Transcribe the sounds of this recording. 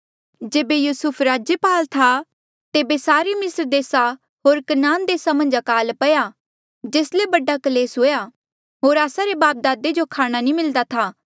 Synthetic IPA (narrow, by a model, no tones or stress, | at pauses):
d͡ʒeːbejuːsʊpʰɾaːd͡ʒjəpaːlt̪ʰa | t̪eːbesaːɾemɪsɾd̪eːsa | ɦoːɾkɐnaːnd̪eːsamɐ̃nd͡ʒɐkaːlpɐja | d͡ʒeːslebɐɖakɐleːsɦoːja | ɦoːɾaːsaɾebaːp̚d̪aːd̪ed͡ʒokʰaːɽ̃anĩmɪld̪at̪ʰaː